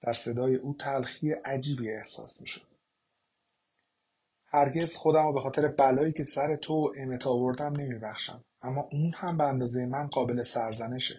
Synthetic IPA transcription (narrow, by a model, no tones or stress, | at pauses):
d̪̥æɾse̞d̪ɒːje̞ʔuːt̪ʰælxijeʔæd͡ʒiːbiːe̞hsɒ̰ːsmiːʃod̪̥̚ | hæɾɟe̞z̥xo̞d̪æmɔbe̞xɒːt̪ʰe̞ɾe̞bælɒːiːcʰe̞sæɾe̞t̪ʰoʔeme̞t̪ʰɒːvo̞ɾd̪æmne̞miːbæxʃæ̰m | æmːɒːʔunhæmbeænd̪ɒːze̞jemænɢɒːbe̞le̞sæɾzæne̞ʃḛ